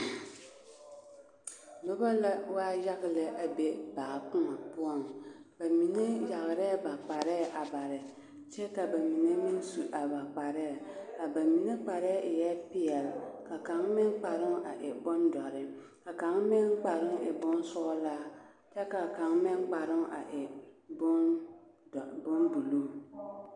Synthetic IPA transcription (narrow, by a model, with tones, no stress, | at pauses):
lo˦ba˦la˦waː˦ja˦ɣɪ˦lɨ˨ʔa˨be˦baː˨kʊ˦ma˨pu˦ɔ˦ŋba˨mi˨ne˦ja˨ɣɪ˨ɾɛ˦˨ba˨k͡pa˨ɾɛ˦˨ʔa˨ba˨ɾɪ˨ | t͡ʃɛ˦ka˨ba˨mi˨ne˦mi˦n˦su˨ʔa˨ba˨k͡pa˨ɾɛ˦˨a˨ba˨mi˨ne˦k͡pa˨ɾɛ˦ʔɪ˨jɛ˦pɪ˨ɛ˨lka˨ka˨˦ŋmɪ˦ŋk͡pa˨ɾɪ˦ŋa˨ʔɪ˨bʊ˦ndɔ˨ɾɪ˨ | ka˨ka˨˦ŋmɪ˦ŋk͡pa˨ɾɪ˦ŋɪ˨bʊ˦n˦sʊ˦laː˦ | t͡ʃɛ˦ka˨ka˨˦ŋmɪ˦ŋk͡pa˨ɾɪ˦ŋa̰˨ʔɪ˨bʊ˦n˨ | bʊ˦nbu˨luː˦˨